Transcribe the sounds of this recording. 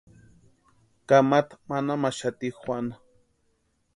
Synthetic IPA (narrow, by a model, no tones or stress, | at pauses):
kamat̪manamaʃat̪ixʷwʷana